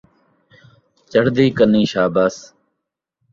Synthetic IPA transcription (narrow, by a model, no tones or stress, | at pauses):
t͡ʃəɽd̪iːkənĩːʃaːbəs